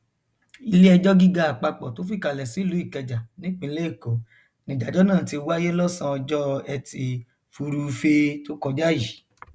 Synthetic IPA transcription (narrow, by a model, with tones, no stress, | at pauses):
i˧le˦ɛ˧d͡ʒɔ˦ɡi˦ɡa˧a˨k͡pa˧k͡pɔ˨to˨˦fi˦˨ka˨lɛ˨si˨˦i˦˨lu˨˦i˦˨kɛ˧d͡ʒa˨nĩ˨˦k͡pĩ˧˦le˦i˦˨kɔ˨ | nĩ˨d͡ʒa˨d͡ʒɔ˦nãː˦˨ti˧˦o˧wa˦je˦lɔ˦sã˧ɔ˧d͡ʒɔ˦ɛ˧ti˧ | fu˧ɾu˧fe˧to˦kɔ˧d͡ʒa˦ji˨